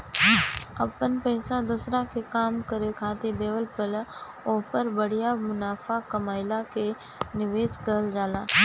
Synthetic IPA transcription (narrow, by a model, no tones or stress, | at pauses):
ɐpənpɛɪsad̪uːsɾakekaːmkəɾekʰaːt̪id̪eːʋəlpəl | oːpəɾbəɽijamʊnaːfakɐmaːɪlake | nɪʋeːskəəld͡ʒaːlaː